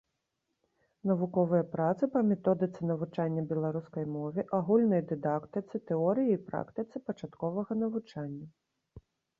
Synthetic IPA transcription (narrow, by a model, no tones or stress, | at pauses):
nɐvukɔvɨjɐpɾat̪sɨpɐmʲɛt̪ɔd̪ɨt̪sɨnɐvut͡ʂanʲːɐbʲɛlˠaɾuskɐjmɔvʲɛʔaɣulʲnɐjd̪ɨd̪akt̪ɨt̪sɨt̪ɛɔɾɨjiːpɾa̰kt̪ɨt̪sɨpɐt͡ʂat̪kɔvɐɣɐnɐvut͡ʂanʲːɐ